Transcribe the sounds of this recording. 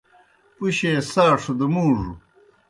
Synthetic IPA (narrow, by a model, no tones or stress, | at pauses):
puɕeːsaːʂud̪umuːʐṵ